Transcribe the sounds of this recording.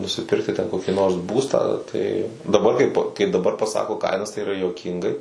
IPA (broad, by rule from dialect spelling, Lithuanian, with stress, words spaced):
nʊsʲɪˈpʲɪrktʲɪ tʲɛn ˈkoːkʲɪ noːrs ˈbuːstɑː tɐɪ dɐˈbɐr kɐɪp kɐɪ dɐˈbɐr pɐˈsɑːkoː ˈkɐɪnɐs tɐɪ iːˈrɐ juɔˈkʲiːŋɡɐɪ